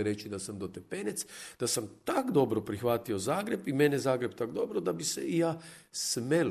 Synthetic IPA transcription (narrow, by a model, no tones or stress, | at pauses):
ɾet͡ʃid̪asamd̪ot̪epenet̪sd̪̥asamt̪akd̪o̞bɾopɾixʋaːt̪io̞zaːɡɾe̞bimenezaːɡɾebt̪akd̪o̞bɾod̪abisḛʔijaːsmel